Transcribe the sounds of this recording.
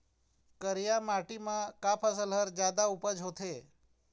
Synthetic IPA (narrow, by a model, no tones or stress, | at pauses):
kəɾijamaʈimãkapʰas̬əlɦəɾd͡ʒjad̪aupəd͡ʒʱɦot̪ʰe